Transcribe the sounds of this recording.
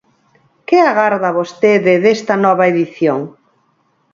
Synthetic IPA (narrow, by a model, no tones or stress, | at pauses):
kɪaɣaɾðɐβost̪eðɪðest̪ɐnɔβɐeðiθjoŋ